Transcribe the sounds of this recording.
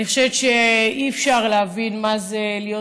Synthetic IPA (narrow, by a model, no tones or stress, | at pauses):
niχoʃevet̪ʃeiːfʃaʁleavinmazelijo